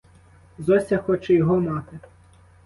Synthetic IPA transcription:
zɔsʲɐxɔt͡ʃɛjɔɦɔmɑt̪ɪ

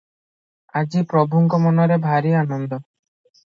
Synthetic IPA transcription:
ad͡ʒipɾɔbʱuŋkɔmɔnɔɾebʱaɾianɔnd̪ɔ

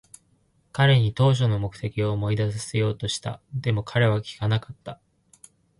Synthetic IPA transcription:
kaɾe̞ɲ̟it̪o̞ːɕ̬o̞no̞mo̞kɯ̟̥t̪e̞kʲio̞ːmo̞id̪as̬ɨ̥se̞jo̞ːt̪o̞ɕi̥t̪a̰d̪e̞mo̞kʰaɾe̞β̞akʲi̥kanakḁt̪ːa

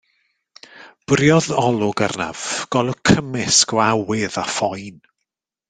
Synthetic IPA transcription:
b̥rjɔðɔlˠʊɡarna̰v̥ɡ̥ɔlˠəkʰəmɪskɔawɪðafɔjn

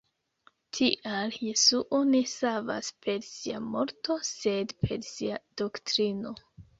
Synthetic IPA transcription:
tʰiʔaljesuʔone̞sava̰spʰe̞ɾsiamo̞ɾto̞se̞dpʰe̞ɾsiad̥o̞ktɾino̞

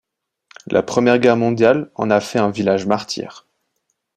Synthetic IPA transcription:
lʔa̰pχəmjɛʁɡʲɛʁmɔ̃d̪jalɑ̰̃nafɛɛ̃vilaʒmaʁt̪ʰjɛ̰ːʁ

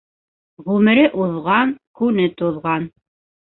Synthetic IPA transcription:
ʁʉmɘ̆ɾɘʔuðʁɑŋkʉnɘt̪oðʁɑn

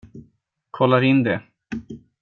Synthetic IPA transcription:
kʰɔlːaɾɪnd̪ɛ

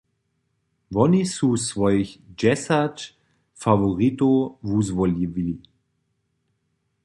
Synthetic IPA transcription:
vɔnisusvɔjçd͡ʒɛsat | favoʁit̪ovuzvɔlivili

